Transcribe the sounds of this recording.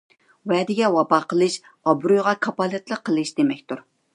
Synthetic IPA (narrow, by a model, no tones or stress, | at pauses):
wɛːd̪ɪɡʲɛwɑbɑqʰəlˠɨʃ | ɑbɾujʁɑkʰɑpɑlˠɨt̪lˠəqʰːəlˠɨʃd̪̥emɛkʲt̪uɾ